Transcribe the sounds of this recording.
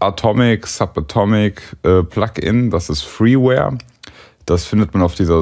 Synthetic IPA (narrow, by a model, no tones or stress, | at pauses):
ʔatʰɔmɪksapatʰɔmɪkʔɛːpʰl̥akɪ̰nd̥asɪstfʁiːwɛ̰ːɐ | d̥asfɪndətmanaʊfd̥iːzɐ